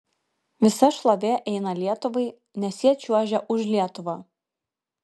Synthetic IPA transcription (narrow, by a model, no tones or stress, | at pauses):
ʋʲɪsɐʃlˠɐʋʲeːʔɛɪnɐlʲiɛt̪ʊʋɐɪ | nʲɛsʲiɛt͡ʃʲuɔʒʲɛʔʊʃlʲiɛt̪ʊʋɑː